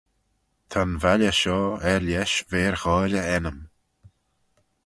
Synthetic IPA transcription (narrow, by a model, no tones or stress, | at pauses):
t̪ʰanvalʲəʃɔːɛɾjɛʃveːɹxɔːlʲəɛnəm